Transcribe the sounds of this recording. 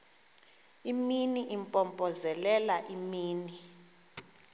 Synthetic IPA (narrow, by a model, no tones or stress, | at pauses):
iminiʔimpʼɔmpʼɔzɛlɛlaʔimiːni